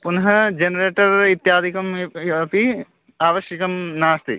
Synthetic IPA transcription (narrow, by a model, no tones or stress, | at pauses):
punɦɐd͡ʒenɐɾeːʈɐɾit̪jaːd̪ʱikɐmɐpi | aːʋɐʃjɐkɐmnaːst̪ḭ